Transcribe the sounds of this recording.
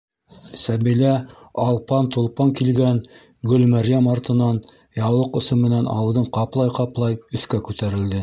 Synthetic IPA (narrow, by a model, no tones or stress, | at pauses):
sæbilæ | ɑlˠpɑnt̪ulˠpɑŋkilɡæn | ɡɵlmæɾjæmɑɾt̪ɤ̆nɑn | jɑwlˠɤqŏsɤmmːɘ̆nænʔɑ̰wðɤɴqɑplˠɑjqɑplˠɑjɵ̆θkækʉt̪æɾɘ̆ld̪ɘ